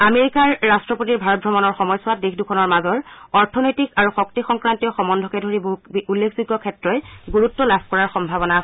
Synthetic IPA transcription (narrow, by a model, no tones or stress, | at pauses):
ameɹikaɹːastɹɔpotiɹbʱaɹɔt̚bʱɔmɔnɔɹxɔmɔjsʊat̚dexʰdukʰɔnɔɹmazɔɹɔɹtʰɔnojtikaɹuxɔk̚tixɔŋkɹantijɔxɔmɔndʱɔkɛdʱoɹiboɦutulːekʰziɡːɔkʰɛtɹɔjɡuɹutːɔlabʱkɔɹaɹxɔmbʱabɔnaːs